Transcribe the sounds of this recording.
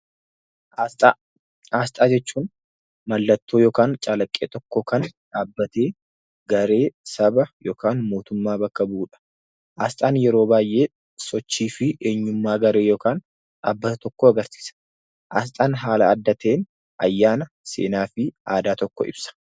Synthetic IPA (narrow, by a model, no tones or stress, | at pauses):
aːst̪ʼaːd͡ʒɛt͡ʃːuːn | mɐlːɐt̪ːoːjoːkaːnt͡ʃʼalɐkʼːeːt̪ɔkːoːkɐnᶑaːbːɐt̪e̞ː | ɡɐɾe̞ːsɐbɐjo̞ːkʰaːnmo̞ːt̪ʊmːaːbɐkːɐbuːᶑɐ̥ | ʔaːst̪ʼaːnjɛɾo̞ːbaːjʔeː | sɔt͡ʃːiːfɪʔe̞ːɲːʊmːaːɡɐɾe̞ːjoːkaːn | a̰ːbːɐt̪ɐt̪ɔkːoːɐɡɐɾsi̥ːsɐ̥ | ʔaːs̬t̪ʼaːnɦaːlɐɐd̪ːɐt̪e̞ːn | ʔɐ̰jːaːnɐ | sḛːnaːfɪʔaːd̪aːt̪ɔkːɔɪ̰b̥sɐ̥